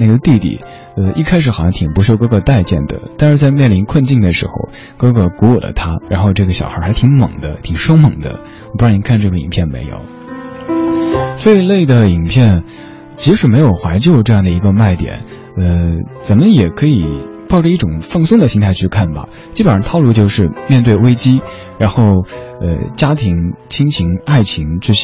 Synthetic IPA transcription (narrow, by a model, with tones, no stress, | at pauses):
na˥˩ɡə˩t̪i˥˧t̪ḭ˨˩ | ə˧i˥˧kʰa˥ɪʂɻ̩˨˥xɑ˨˩ɕjɑ˥ŋt̪ʰi˨˩ŋpu˧˥ʂk̬ɤ˥kʰɤ˨˩t̪a˥˧ɪt͡ɕjɛ̰˥˩nd̪ə̰˩t̪a˥˧nʂɻ̩˥˧t͡sa˥˧ɪmjɛ˥˩nli˧˥nkʰwə˥˧nt͡ɕi˥˩ŋd̪ə˩ʂɻ̩̰˧˥xo̰˧ʊ | kɤ˥kɤ˨˩ku˧˥ɔ˨˩lə̰˦t̪ʰa˥ɻa˧˥nxo˥˧ʊʈ͡ʂɤ˥˩ɡə˩ɕjɑ˨˩ʊxə˞˧˥xa˧˥t̪ʰi˧˥ŋmɤ̰˨˩ŋd̪ə˦t̪ʰi˨˩ŋʂo˥ʊmɤ˨˩ŋd̪ə̰˦ | wpu˧˥ɻɑ˥˩ni˧˥kʰnʈ͡ʂɤ˥˩ɡə˩ḭ˨˩ŋpʰjɛ˥˩nmḛ˧˥ɪjo̰˨˩˦ʊ | swɔ˧˥i˧˩le˥˩ɪd̪ə˩i˨˩ŋpʰjɛ˥˩n | t͡ɕʰi˧˥ʂɻ̩˧˥me˧˥ɪjo˨˩ʊxwa˧˥ɪt͡ɕjo˥˧ʊʈ͡ʂɤ˥˧jɑ˥˩ŋd̪ə˩i˧˥ɡə˧ma˥˩ɪt̪jɛ̰˨˩˦n | ə˧t͡sə˨˩nmə˦jɛ˨˩kʰɤ˧˥i˨˩pɑ˥˩ʊʈ͡ʂə˧˩i˥˩ʈ͡ʂʊ˨˩ŋfɤ˥˧ŋsʊ˥˩ŋd̪ə˩ɕi˥ŋt̪ʰa˥˧ɪt͡ɕʰy˥˧kʰa˥˩nbɐ̰˩ | t͡ɕi˧˥ə˨˩ɻə˧˥t̪ʰɑ˥˧ʊlu˥˧t͡ɕjo˥˧ʊʂɻ̩˥˧mjɛ˥˧nt̪̬we˥˩ɪwe˥ɪt͡ɕi˥ | ɻa˧˥nxo˥˩ʊə̰˧t͡ɕja˥t̪ʰi˧˥ŋt͡ɕʰi˥ŋt͡ɕʰi˧˥ŋa˥˩ɪt͡ɕʰi˧˥ŋt͡ɕy˥˩ɕ